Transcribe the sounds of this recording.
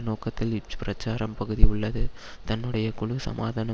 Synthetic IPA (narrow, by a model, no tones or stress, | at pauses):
noːkɐt̪ːɪlɪt͡ʃːpɪɾɐt͡ʃːaːɾɐmpɐɣɯðiʊɭːɐðɯ | t̪ɐnːɯɽɐjɐkʊɭʊsɐ̰maːðaːnɐ